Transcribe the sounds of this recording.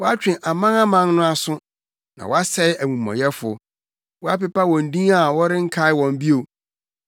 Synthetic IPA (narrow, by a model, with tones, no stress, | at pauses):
wɔ˦a˦t͡ɕᶣɪ̃˨ʔa˨mã˦na˦mã˦nnʊ̃˦a˨sʊ̃˦ | nã̰˨wɔ˦a˦sɛ˦ɪ˦æ˨mũ˨mã̰˨jɛ˦fʊ̰˨ | wɔ˦a˦pɪ˦pa˦wɔ̃˨n̩˨dĩ˦a˦˨wɔ˦ɾɪ̃˦ŋ̩˦kʰa˦ɪ˦wɔ̃˨m˦bi˦o˨